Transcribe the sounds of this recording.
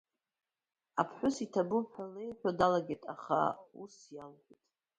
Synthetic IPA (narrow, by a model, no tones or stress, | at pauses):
apʰħʷᶣʊsitʰabʊħʷᶣale̞jħʷᶣadalaɡʲetʼaχa̰usjalħʷitʼ